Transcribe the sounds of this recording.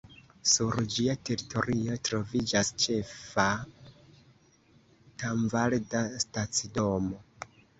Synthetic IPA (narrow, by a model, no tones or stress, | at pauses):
suɾd͡ʒiate̞ɾitʰo̞ɾio̞tɾo̞vid͡ʒast͡ʃe̞fa | taɱvaldastat͡sido̞mo̞